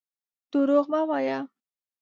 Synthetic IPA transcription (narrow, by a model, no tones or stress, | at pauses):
t̪uɾoɣmawaja